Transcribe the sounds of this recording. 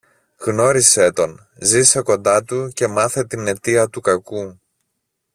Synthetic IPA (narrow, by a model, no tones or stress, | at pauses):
ɣno̞ɾiset̪o̞n | zise̞ko̞nd̪ɐt̪uce̞mɐθe̞t̪ine̞t̪iɐt̪ukɐku